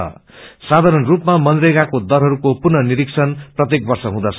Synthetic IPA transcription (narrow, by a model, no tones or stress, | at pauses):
ʌ̰sad̪ʱaɾʌnrupmamʌnd̪reɡakod̪ʌɾɦʌɾukopurnʌniɾiksʰʌnprʌt̪jek̚bʌrsʌɦũd̪at͡sʰ